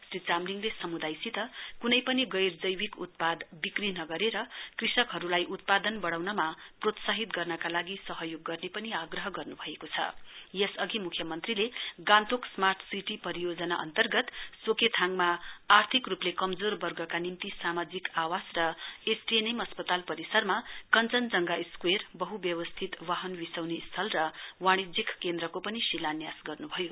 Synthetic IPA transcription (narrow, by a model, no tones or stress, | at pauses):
srit͡samliŋlesʌmud̪ajsit̪ʌkunʌjpʌniɡʌjrd͡zʌjwikut̪̚pad̪bikrinʌɡʌɾeɾʌkrisʌkɦʌɾulajʔut̪̚pad̪ʌnbʌɽawnʌmaprot̪saɦit̪ɡʌrnʌkalaɡisʌɦʌjoɡːʌrnepʌniaɡrʌɦʌɡʌrnubʱʌekot͡sʰʌ̰jesʌɡimukʰjʌmʌnt̪rileɡãnt̪oksmart̪ʰsiʈipʌɾijod͡zʌnaʔʌ̰nt̪ʌrɡʌt̪soket̪ʰaŋmaːrt̪ʰikruplekʌmd͡zorbʌrɡʌkanimt̪isamad͡zikawasrʌesʈienemʌspʌt̪alpʌɾisʌrmakʌnt͡sʌnd͡zʌŋɡaiskwerbʌɦubjʌwʌst̪ʰit̪waɦʌnbisʌwnist̪ʰʌlrʌwaɽ̃id͡zikkend̪ɾʌkopʌnisilanjasɡʌrnubʱʌjo